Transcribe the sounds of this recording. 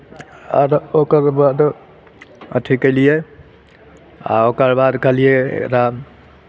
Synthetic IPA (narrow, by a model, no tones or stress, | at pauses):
a̰ɾokəɾbad̪ | ətʰikelije | a̰okəɾbad̪kəlijeḛkɾa